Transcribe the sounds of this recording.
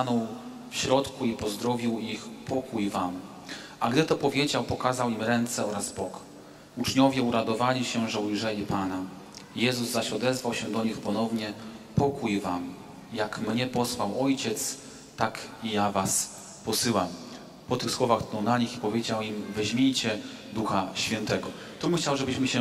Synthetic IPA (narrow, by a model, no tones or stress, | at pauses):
anɔ̃w̃ | fɕɾɔt̪kuipɔzd̪ɾɔvʲiwixpʰɔkujvam | aɡd̪ɘt̪ɔpɔvʲjed͡ʑawpɔkazawimɾɛnt̪sɛɔɾazbɔk | ut͡ʂɲɔvʲjɛuɾad̪ɔvalʲiɕɛʐɛujʐɛlʲipana | jɛzuzzaɕɔd̪ɛzvawɕɛd̪ɔɲixpɔnɔvɲɛpɔkujvam | jakmɲɛpɔswawɔjt͡ɕɛt̪s | t̪akijavas | pɔsɘwam | pɔt̪ɘxswɔvaxkt̪ɔ̃wnaɲixipɔvʲjed͡ʑawimvɛʑmʲjejt͡ɕɛd̪uxaɕfʲɛnt̪ɛɡɔ | t̪ɔbxt͡ɕawʐɛbɘɕmɘɕɛ